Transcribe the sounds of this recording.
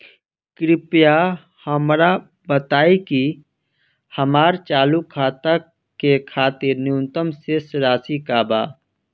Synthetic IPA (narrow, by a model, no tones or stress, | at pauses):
kɾɪpja | həmɾa | bət̪aːiki | hɐmaːɾt͡ʃaːlukʰaːt̪a | kekʰaːt̪ɪɾnjũːnt̪əmsesɾaːsikaːbaː